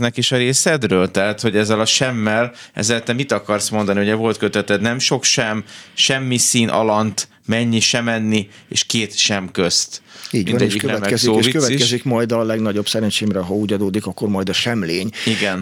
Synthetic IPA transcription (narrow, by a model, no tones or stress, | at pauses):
nɛkiʃɒɾeːsɛd̪røːlt̪ɛɦat̪ho̞ɟɛzːɛlɒʃɛmːɛlɛ̰zɛt̪ɛmit̪ɒkɒrsmo̞nd̪ɒnihoɛvo̞lt̪køt̪ɛt̪ɛt̪nɛmʃo̞kʃɛmʃɛmːisiːnʔɒ̰lɒnt̪ | mɛɲːiʃɛmɛnːi | ḛːʃkeːt̪ʃɛmkøst̪iːɟminnd̪ɛʃikønɛɛmɛɛzoːikøstikɛʃzikmɒjd̪ɒlɛɡnɒɟo̞bsɛɾɛnt͡ʃeːmɾɛɦɒuːɟɒd̪oːd̪ikɒkːormɒjd̪ɒʃɛmleːɲiɡɛn